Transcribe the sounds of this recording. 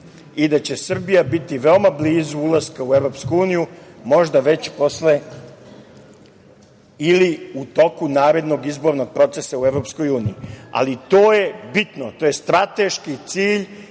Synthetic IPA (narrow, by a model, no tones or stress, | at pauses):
id̪at͡ɕe̞sr̩bijabit̪iʋeomabliːzuulaskaueʋɾo̞pskuuːnijumo̞ʒd̪aʋe̞t͡ɕpo̞sle | iliut̪o̞kunaːɾe̞d̪no̞ɡizbo̞ɾno̞ɡ̚pɾo̞t̪sesaueʋɾopsko̞juːnijia̰lit̪o̞ːje̞bit̪not̪oje̞st̪ɾat̪e̞ʃkit̪siːʎ